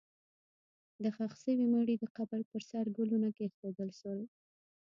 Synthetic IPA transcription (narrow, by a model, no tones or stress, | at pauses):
d̪əxaxsəwimaɽid̪əqabaɾpəɾsaɾɡulunakexod̪əlʃəwe